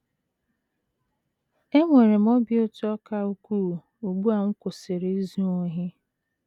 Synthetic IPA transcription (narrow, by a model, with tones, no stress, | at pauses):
e˦ŋʷe˨ɾe˨m̩˦ɔ˦bjo˦tɔ˦ka˦u˦kʷuː˦˨ | u˨ɡ͡bu˦a˨ŋ̩˦kʷʊ˨sɪ˨ɾe˨i˦zu˦o˦ɦɪ˦